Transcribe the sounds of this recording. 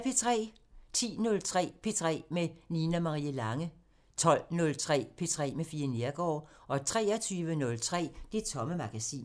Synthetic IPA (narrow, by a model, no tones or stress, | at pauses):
pʰe̝t͡sʰʁɛ̰ː | t͡sʰḭːnɔ̽lt͡sʰʁɛ̰ːpʰe̝t͡sʰʁɛ̰ːmeninæmɑ̈ʁiːəlɑ̈ŋə | t͡sʰɒ̽l̰nɔ̽lt͡sʰʁɛ̰ːpʰe̝t͡sʰʁɛ̰ːmefiːɐneɐɡ̥ɒ̰ː | ʔɒ̽t͡sʰʁɛ̰ːɒt͡sʰyːʋənɔ̽lt͡sʰʁɛ̰ːd̥e̝t͡sʰɒ̽məmɑ̈ɡ̥æsḭːn